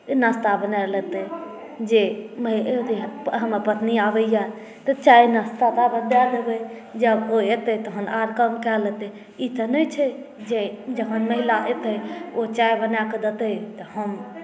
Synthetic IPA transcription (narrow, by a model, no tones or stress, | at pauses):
nəst̪abənalɛt̪ə | d͡ʒeməɦt̪pɦəməpət̪niabəja | t̪ət͡ʃainəst̪at̪abəd̪ad̪ebəj | d͡ʒəboet̪ət̪əɦənaɾkəmkɛlɛt̪ɛ | it̪ənət͡ʃʰɛ | d͡ʒed͡ʒəɦənməɦilaʔet̪əot͡ʃaibənaked̪ət̪ət̪əhəm